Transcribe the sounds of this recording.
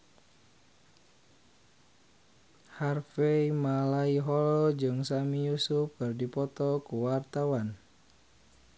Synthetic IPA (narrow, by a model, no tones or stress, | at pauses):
harfɛimalaiɦɔlɔd͡ʒɨŋsamijusufkɨrdipɔt̪ɔkuwart̪awan